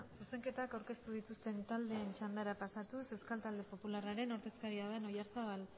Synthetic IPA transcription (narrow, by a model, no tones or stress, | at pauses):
suse̞ŋke̞t̪akawɾke̞st̪uð̞it̪ust̪e̞nt̪ald̪e̞ːnt͡ʃand̪aɾapasat̪useskalt̪ald̪e̞po̞pularaɾe̞no̞ɾðe̞skaɾiaeno̞jaɾsaβal